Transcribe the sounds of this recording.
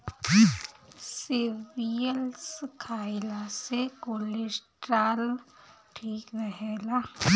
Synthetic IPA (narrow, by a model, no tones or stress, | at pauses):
sɪʋijəlskʰaːɪlasekoːlesʈɾaːlʈʰiːkɾəɦeːla